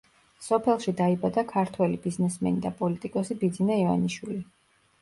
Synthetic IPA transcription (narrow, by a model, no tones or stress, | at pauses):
sɔpʰɛlˠʃid̪aibad̪akʰaɾt̪ʰwɛlibiznɛsmɛ̰nid̪apʼɔlit̪ʼikʼɔsibid̪zinaiva̰niʃwili